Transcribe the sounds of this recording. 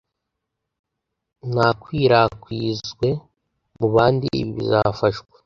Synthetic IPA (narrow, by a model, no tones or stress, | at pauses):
nakwiːɾakwiːzɡwe̞ | muβaːndḭḭβiβḭzafaʃɡwe